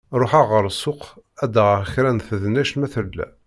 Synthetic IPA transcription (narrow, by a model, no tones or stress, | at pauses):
ɾˤoħaʁəɾˤsːʊqæd̪əʁçɾænθəðnæʃmæθəlːæ̰